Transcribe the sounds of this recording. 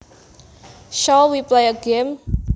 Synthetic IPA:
ʃɔlwiplejəɡem

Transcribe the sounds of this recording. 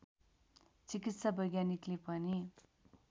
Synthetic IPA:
t͡sikit̪sabʱʌjɡaniklepʌni

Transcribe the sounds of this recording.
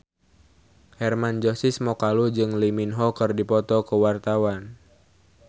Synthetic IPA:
hɛrmand͡ʒosismɔkalud͡ʒɨŋliminɦɔkɨrdipɔt̪ɔkəwart̪awan

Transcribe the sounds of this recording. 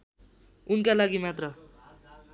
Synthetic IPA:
unkalaɡimat̪rʌ

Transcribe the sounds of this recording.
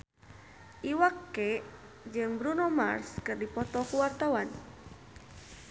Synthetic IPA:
ʔiwakːɛ | d͡ʒɨŋbɾunoma̰rskɨrdipɔt̪ɔkuwart̪awan

